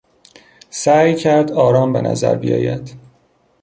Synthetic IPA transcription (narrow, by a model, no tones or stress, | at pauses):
sæːjcʰæɾd̪ɒːɾɒːmbe̞nʔæ̰zæ̰ɾbḭjɒ̰ːjæd̪̥